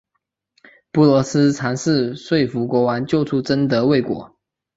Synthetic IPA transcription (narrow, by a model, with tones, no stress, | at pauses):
pu˥˩lwɔ˧˥sɹ̩˥t͡sʰa˧˥nsɹ̩˥˧swe˥˩ɪfu˧˥kwɔ˧˥wa˧˦nt͡ɕjo˥˧ʊt͡sʰu˥˩ʈ͡ʂə˥nd̪ə˧˦we˥˩ɪkwɔ̰˧˥˦